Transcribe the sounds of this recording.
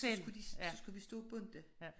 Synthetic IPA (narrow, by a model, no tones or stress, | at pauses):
sɡ̥ud̥iɒsɡ̥uʋisd̥ɔ̰̽ːb̥ɔn̰d̥ə